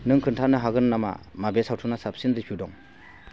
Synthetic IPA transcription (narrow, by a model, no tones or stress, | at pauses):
nɯŋkʰɯntʰanɯɦaɡɯnnama̰mabesawtʰunasap̚sinɾipʰiwdɔŋ